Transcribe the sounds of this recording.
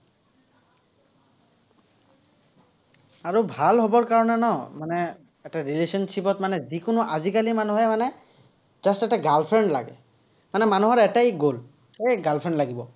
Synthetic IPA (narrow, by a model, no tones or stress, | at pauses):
aɹubʱalɦɔbɔɹkaɹɔnɛnɔmanɛ | ɛtaɹilesɔnsipɔtmanɛzikʊnʊʔazikalimanuɦɛmanɛ | z̥astɛtaɡalpʰɹɛɳɖla̰ɡɛ̰ | manɛmanuɦɔɹɛtajɡol | xejɡalpʰɹɛnɖlaɡibɔ